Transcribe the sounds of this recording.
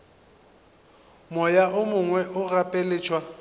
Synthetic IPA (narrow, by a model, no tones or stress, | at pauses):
mɔjaʔʊmʊŋwɛʔʊrapʼelɪːt͡ʃʰwa